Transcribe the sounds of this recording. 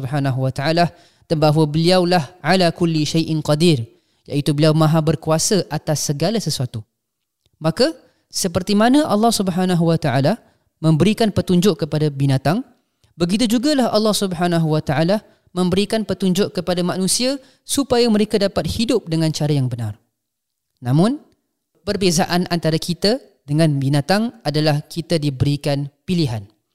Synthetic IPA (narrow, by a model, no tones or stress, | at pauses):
bɦanaɦuwat̪aala | d̪ənbaɦwəbəliawlahʕalakʊlːiʃajʔɪnqɑd̪ir | jaʔit̪ubəliawmãɦabərkuasəʔat̪asːəɡalasəsuat̪u | maka | səpərt̪imanãʔɑlːɑhsubəɦanaɦuwət̪aʔala | mə̃mbəɾikanpət̪uɲd͡ʒʊʔkəpadabinat̪aŋ | bəɡit̪̬ud͡ʒuɡalahɑ̰lːɑhsubəɦanaɦuwət̪aʔala | mə̃mbəɾikanpət̪uɲd͡ʒʊʔkəpadamanũsia | supajamə̃ɾekadapat̪̚hidʊp̚dəŋãnt͡ʃaɾajaŋbəna̰r | nãmʊ̃n | pərbezaʔanʔa̰nt̪aɾakit̪a | dəŋãnbinat̪aŋadalahkʰit̪adibəɾikanpiliɦan